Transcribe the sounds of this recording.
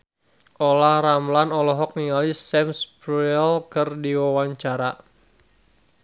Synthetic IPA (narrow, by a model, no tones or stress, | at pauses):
ʔɔlahramlanɔlɔɦɔk̚niŋalisːɛmspɛlkɨrdiwawaɲt͡ʃaɾa